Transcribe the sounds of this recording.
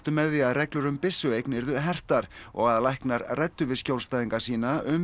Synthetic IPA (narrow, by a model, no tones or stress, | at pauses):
t̪ʏmɛðiaðrɛklʏɾʏmpɪsːʏejknɛɾðʏɦɛr̥t̪aɾ̥ɔ̰ɣaðlajhknaɾrɛt̪ːʏvɪscowlst̪ajðiŋkasiːnaʔʏm